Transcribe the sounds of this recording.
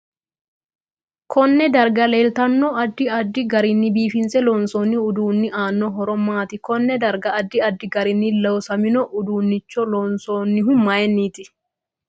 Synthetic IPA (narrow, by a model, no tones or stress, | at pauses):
kʰɔnːɛd̪ɐɾɡɐleːlt̪ɐnːoɐd̪ːɪɐd̪ːɪɡɐɾɪnːɪbiːfɪnsɛloːnsoːnːɪʊd̪uːnːɪʔaːnːɔɦɔɾɔmːaːt̪ɪkɔnːɛd̪ɐɾɡɐːd̪ːɪɐd̪ːɪɡɐɾɪnːɪlɐwsɐmɪnɔʔʊd̪uːnːɪt͡ʃːɔloːnsoːnːɪɦʊmːaːjɛnːiːt̪ɪ